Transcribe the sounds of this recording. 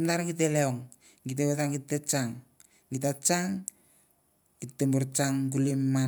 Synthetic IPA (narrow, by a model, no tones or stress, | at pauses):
mtaɾaɡit̬eleoŋ | ɡiteβetaŋɡitːet͡ʃaŋ | ɡitat͡ʃaŋ | ɡ̥itːemboɾt͡ʃaŋɡulimːa